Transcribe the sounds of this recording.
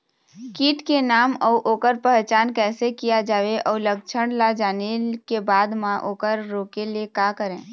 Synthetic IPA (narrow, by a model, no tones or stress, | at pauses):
kiːʈkenaːmɔːʔoːkəɾpəɦt͡ʃaːnkɛːsekijad͡ʒaːʋeʔɔːɾləkt͡ʃʰəɽlad͡ʒaːnekebaːd̪mãʔoːkəɾːoːkelekakəɾẽː